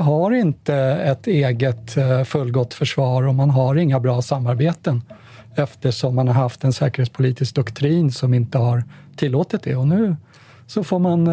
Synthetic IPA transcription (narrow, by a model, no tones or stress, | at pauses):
ɦaɾɪnt̪əɛt̪eːɡət̪fɵlːɡɔt̪ːfœʂvɑːɾɔmanɦaɾɪŋːabɾɑːsamːaɾbeːt̪ən | ɛft̪əʂɔmːanhaɾɦaft̪ɛnsɛːkəɾheːt̪spʰʊliːt̪ɪsk̚d̪ɵkt̪ʰɾiːnsɔmɪnt̪əɦaɾt̪ʰɪlːoːt̪ɪt̪̚d̪ɛɔnʉ̟ː | sɔfoːɾman